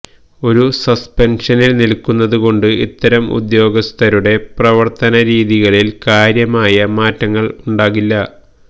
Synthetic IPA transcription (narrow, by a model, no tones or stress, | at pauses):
o̞ɾusɐspenʂɐnilnilkːunːɐðuɣo̞ɳɖɨḭt̪ːɐɾɐmṵd̪jo̞ːɡɐst̪ʰɐɾuɽe̞prɐʋɐrt̪ɐnɐɾiːðiɣɐɭilkaːɾjɐmaːjɐmaːtːɐŋːɐɭuɳɖaːɣilːɐ